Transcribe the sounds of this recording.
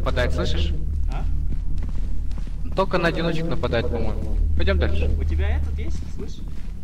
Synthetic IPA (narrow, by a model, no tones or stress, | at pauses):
nəpɐd̪ajɪt̪sˠɨʂɨʂa | t̪olʲkənəɐdʲɪno̞t͡ɕɪknəpɐd̪ajɪt̪̚pɐmo̞jmʊpɐjdʲo̞md̪alʲʂɨ̥ʊtʲɪbʲaɛt̪ət̪jesʲtʲslˠɨʂ